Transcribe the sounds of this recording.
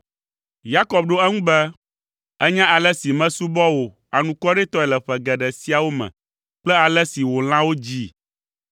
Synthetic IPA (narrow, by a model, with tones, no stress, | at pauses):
ja˦kɔ˨b̚ɖo˦ɛ˦ŋũ˦bɛ˦ | ɛ˦ɲã˦ʔa˨lɛ˦si˨mɛ̃˦su˦bɔ˦wo˨ | a˨nũ˨kɔ˦ɖe˦t̪ɔ˦ɛ˨lɛ˨ɸɛ˨ɡɛ˨ɖɛ˨si˦a˨wo˦mɛ̰̃˨ | k͡plɛ˦a˨lɛ˦si˨wo˨l̃ã˦wo˦d͡ʑi˦